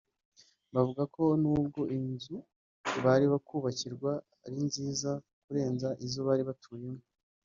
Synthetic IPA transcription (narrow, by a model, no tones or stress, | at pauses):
βavuɡakʰo̞nuːb̚ɡo̞ʔinzu | βaɾiβakuːβaciɾɡwa | ɾinziːza | kuɾe̞ːnzaʔizoβaːɾiβatʰuːɲemo